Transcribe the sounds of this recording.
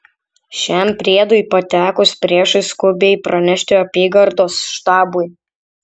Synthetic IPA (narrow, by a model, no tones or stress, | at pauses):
ʃʲɛmpʲɾʲeːd̪ʊɪpɐt̪ʲæːkʊspʲɾʲiɛʃɨskʊbʲɛɪpɾɐnʲɛʃʲt̪ʲɪɐpʲiːɡɐɾd̪oːsʃt̪ɑːbʊj